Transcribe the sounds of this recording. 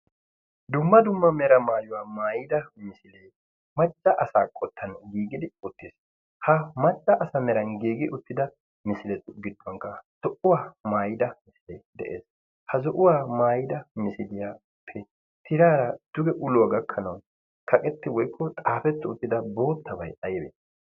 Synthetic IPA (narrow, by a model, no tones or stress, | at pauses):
d̪ʊmːɐd̪ʊmːɐmɛɾɐmaːjʊwaːmaːjɪd̪ɐmɪsɪleː | mɐt͡ʃʼːɐʔɐsaːkʼɔt̪ʰːɐnɡiːɡɪd̪ɪʊt̪ːɪs | hɐmɐt͡ʃʼːɐʔɐsɐmɛɾɐnɡiːɡɪʔʊt̪ːɪd̪ɐ | mɪsɪlɛt̪ʊɡɪd̪ːɔŋkɐz̥ɔʔʊwaːmaːjɪd̪ɐmɪsɪlɛjd̪ɛ̰ʔḛːs | hɐzɔʔʊwaːmaːjɪd̪ɐmɪsɪd̪ɪjaː | pʰːɛ | t̪ʰɪɾaːɾɐd̪̥ʊɡɛʔʊlʊwaɡɐkʰːɐnɐw | kʰɐkʼɛt̪ːɪwɔjkːɔt̪ʼaːfɛt̪ːʊʊt̪ːɪd̪ɐbo̞ːt̪ːɐbɐjɐjɛbḛːt̪